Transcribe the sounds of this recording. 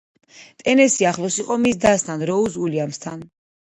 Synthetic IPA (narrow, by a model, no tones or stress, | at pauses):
t̪ʼɛnɛsiaχlˠɔsiqʼɔmisd̪ast̪ʰanɾɔusuliamst̪ʰan